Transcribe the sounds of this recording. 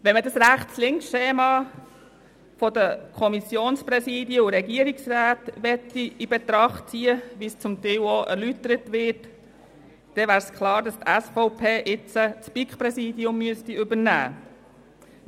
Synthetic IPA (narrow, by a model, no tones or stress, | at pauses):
ʋɛnmədɑsɾæχtslɪŋksʃeːmɑ | fɔdəkʰɔmisjoːnspɾɛsiːdjəʊɾɛɡiəɾiksræːt̪ʋɛtːiibet̪ɾɑχtt͡siːəʋist͡sʊmt̪ɛwoʔɛ̰ɾlytəɾətʋɪt | d̥ɛʋæːɾskʰχlɑːɾdɑst̪æsfɔʊpʰeːʔɪt͡sət͡spikχpɾɛsiːdiʊmːyəstiʏbəɾnæ̰ː